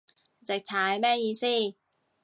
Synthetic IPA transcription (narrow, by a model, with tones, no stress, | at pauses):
t͡sɪ˨k̚t͡sʰaː˨˧˥jmɛː˥jiː˧siː˥˩